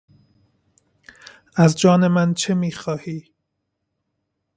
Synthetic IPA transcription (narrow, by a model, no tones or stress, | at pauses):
æzd͡ʒɒːne̞mænt͡ʃʰe̞miːxɒːhiː